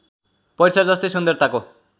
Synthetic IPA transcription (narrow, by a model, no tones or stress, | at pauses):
pʌjɾsaɾd͡zʌst̪ejsund̪ʌrt̪ako